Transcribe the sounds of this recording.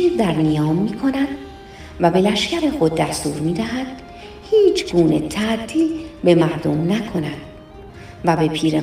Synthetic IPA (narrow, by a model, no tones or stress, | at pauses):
izd̪æɾnijɒːmːiːkʰo̞næd̪̥ | væbe̞læʃcæɾexo̞d̪̚ːæst̪uːɾmiːd̪æɦæd̪̥ | hiːt͡ʃʰɡ̥uːne̞t̪ʰæd̪ːiːbe̞mæɾd̪o̞mnækʰo̞næd̪̥ | væbe̞pʰiːɾe